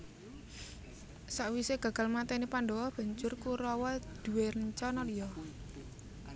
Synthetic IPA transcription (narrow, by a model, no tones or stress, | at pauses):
saʔwiseɡ̥a̤ɡ̥a̤lmat̪ɛnipaɳdɔwɔb̥a̤ɲt͡ʃʊrkuɾɔwɔd̪̥uwerəɲt͡ʃɔnɔlijɔ